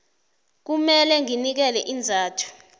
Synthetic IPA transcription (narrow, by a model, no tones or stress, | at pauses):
k̬umɛlɛŋinik̬ɛlɛʔind͡zʱaːtʰu̥